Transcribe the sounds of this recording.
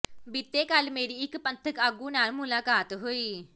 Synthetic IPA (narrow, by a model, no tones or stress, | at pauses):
bɪt̪ːeːkəlmeːɾiːɪkpənt̪ʰəkaːɡũːnaːlmʊlaːkaːt̪ɦoːiː